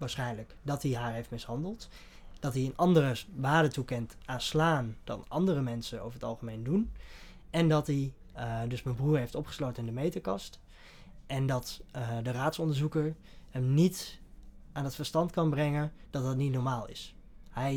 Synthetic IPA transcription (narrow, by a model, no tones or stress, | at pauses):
ʋaːɹsχɛjnləkdɑtdiɦaːɹɦejftmɪsɦɑndəlˠt | d̥ɑtiənʔɑndərəʋaːdətukɛnt | aːnslaːndɑ̰nʔɑndərəmɛnsəno̰wvəɹɦətɑlˠχəmejndun | ɛndɑtdi | dɵsmɛnbruːɹɦejftɔpχə̥slowtənɪndəmejtəkɑst | ʔɛndɑtdəraːtsɔndəɹzukəɹ | həmnit | ʔaːndɑtfəɹstɑntkɑnbrɛŋənd̥ɑt̚ɦətnitnɔɹmaːlˠɪ̰shɛj